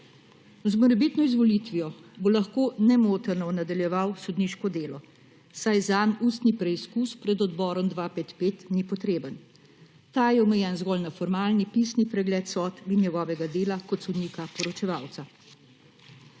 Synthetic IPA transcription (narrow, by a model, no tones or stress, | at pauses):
zmɔɾɛbiːt̪nɔizʋɔlit̪ʋijɔbolaxkoːnɛmoːt̪əɾnɔnad̪aljɛʋawsɔd̪niʃkɔd̪eːlɔ | sajzanuːst̪nipɾɛiskuːspɾɛd̪ɔd̪bɔːɾɔmd̪ʋaːpeːt̪peːt̪nipɔt̪ɾeːbən | t̪aːjɛɔmɛjɛnzɡɔlnafɔɾmaːlnipiːsnipɾɛɡlɛːt̪sɔːt̪ʋinjɛɡɔːʋɛɡad̪eːlakɔt̪sɔd̪niːkapɔɾɔt͡ʃɛʋaːwt̪sa